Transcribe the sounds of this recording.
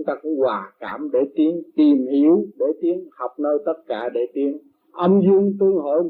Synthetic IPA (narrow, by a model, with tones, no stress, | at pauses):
ŋ͡mt̪aː˧kʊ̰˧˥ŋ͡mkwaː˨˩ka̰ː˧˩mɗe˧˩t̪i˨˦əŋt̪i˨˩mhi˧˩˦əwɗe˧˩t̪i˨˦əŋha˨˩wk͡p̚nəː˧jt̪ə˦˥t̚kaː˧˩ɗe˧˩t̪i˨˦əŋ | ʔə˧wŋ͡mzɨ˧əŋt̪ɨ˧əŋɦo̰˧˨j